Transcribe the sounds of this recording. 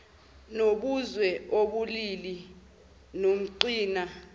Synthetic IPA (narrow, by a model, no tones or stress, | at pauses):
noɓuzwɛoɓulili | nom̩ǀiːna